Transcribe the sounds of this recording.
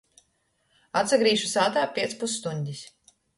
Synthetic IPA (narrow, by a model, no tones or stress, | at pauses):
at̪saɡɾiːʃusaːt̪aːpʲiɛt̪spusːt̪uɲʲd̪ʲis